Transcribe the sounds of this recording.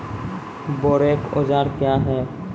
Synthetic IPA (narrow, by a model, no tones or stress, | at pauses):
boːɾeːko̰ːd͡ʒaːɾkjaːɦɛː